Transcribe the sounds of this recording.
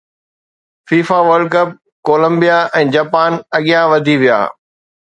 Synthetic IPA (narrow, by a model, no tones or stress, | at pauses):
fiːfaʋəɾɖkɐp̚ | koːlə̃mbijaʔɛ̃ːd͡ʑaːpaːnɐɠijãʋɐd̪ʱiʋija̰ː